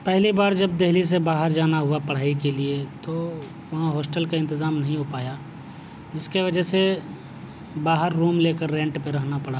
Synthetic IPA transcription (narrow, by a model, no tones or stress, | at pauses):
pɛɦlibaːɾd͡ʒɐb̚d̪eɦlis̬ebaːɦəɾd͡ʒaːnaɦʊapɐɽ̤aːikeliet̪o | ʋɐɦãɦɔːsʈəlkaɪ̃nt̪ɪzaːmnɐɦĩɦʊpaːja | d͡ʒɪskeʋɐd͡ʒɛse | baːɦəɾːuːmleːkəɾːɛ̃ːɳʈpeɾɐɦnapɐɽ̤aː